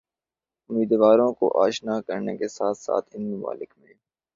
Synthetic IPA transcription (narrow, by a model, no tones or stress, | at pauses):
ʊmiːd̪ʋaːɾõko̰ʔaːʃnakɐɾnekesaːt̪ʰsa̰ːt̪ʰɪnmʊma̰ːlɪkmẽː